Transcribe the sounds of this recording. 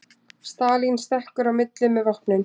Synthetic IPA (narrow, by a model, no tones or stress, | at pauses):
st̪aːlinst̪ɛhkʏɾawmɪt̪lɪmɛvɔhpnɪm